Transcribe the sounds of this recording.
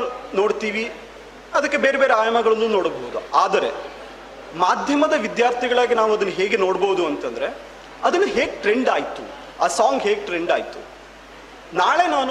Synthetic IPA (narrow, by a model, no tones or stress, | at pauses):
no̞ːɽt̪iːʋi | ɐd̪ɐkːebe̞ːɾebe̞ːɾeaːjɐmɐɡɐɭɐnːuːno̞ːɽbɐɦud̪uaːd̪ɐɾe̞̰ | maːd̪ʱjɐmɐd̪ɐʋid̪jaːɾt̪ʰiɡɐɭaːɡinaːʋuɐd̪ɐnːɐɦeːɡeno̞ːɽboɦud̪uɐnt̪ɐnd̪ɐɾe̞ | ɐd̪ɐnːɐɦeːɡʈɾe̞ɳɖaːjt̪u | aːsaːŋɡɦe̞ːɡ̚ʈɾe̞ɳɖaːjt̪ṵ | naːɭe̞ːnaːn